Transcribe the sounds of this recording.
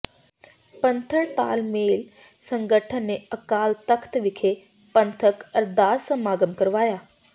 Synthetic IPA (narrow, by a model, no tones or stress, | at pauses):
pənt̪ʰəɭt̪a̰ːlmeːl | səŋɡəʈʰənːeəkaːlt̪əkʰt̪ʋikʰe | pənt̪ʰəkəɾd̪aːsəmaɡəmkəɾʋaja